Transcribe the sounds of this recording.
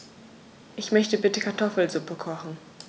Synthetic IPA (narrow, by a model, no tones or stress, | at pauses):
ʔɪçmœçtəbɪtəkʰaɐtʰɔfl̩zʊpəkʰɔχn̩